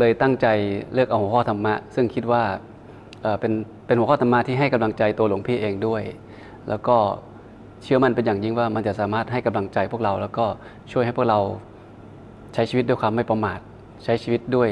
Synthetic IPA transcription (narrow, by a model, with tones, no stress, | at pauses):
lɤː˧jt̪a˥˩ŋt͡ɕa˧jlɯ˥˩k̚ʔa˧whu˩˦ɔː˥˩t̪ʰa˧mːa˦˥ʔsɯ˥˩ŋkʰi˦˥t̪̚waː˥˩ | ʔɤː˨˩pe˧n | pe˧nhu˨˦kʰːt̪a˧mːa˦˥t̪ʰiː˥˩ɦa˥˩jka˧mla˧ŋt͡ɕa˧jt̪u˧əlo˨˩˦ŋpʰiː˥˩ʔeː˧ŋdu˥˩əj | lɛ̰ː˦˥wkɔː˥˩ | t͡ɕʰɯ˥˩əma˥˩˨npe˧njaː˨˩ŋji˧˥ŋwaː˥˩ma˧nt͡ɕa˨˩ʔsaː˩˦maː˥˩t̪̚ɦa˥˩jka˧mla˧ŋt͡ɕa˧jpʰu˥˩əkɾa˧wlɛː˦˥wkɔː˥˩ | t͡ɕʰu˥˩jha˥˩jp̚ʰɾa˧w | t͡ɕʰa˦˥jt͡ɕiː˧i˦˥d̪uː˥˩jkʰwaː˧ma˥˩jpa˧maː˨˩t̪̚ | t͡ɕʰa˦˥jt͡ɕʰiː˧˩i˦˥t̪̚du˥˩əj